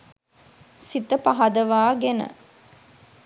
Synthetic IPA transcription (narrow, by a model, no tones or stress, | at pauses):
sit̪əpɐɦɐd̪əʋaːɡenə̰